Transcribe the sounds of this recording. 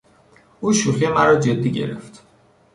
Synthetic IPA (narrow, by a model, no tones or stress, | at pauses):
uːʃuxemæɾɒːd͡ʒe̞d̪ːiːɟe̞̰ɾḛft̪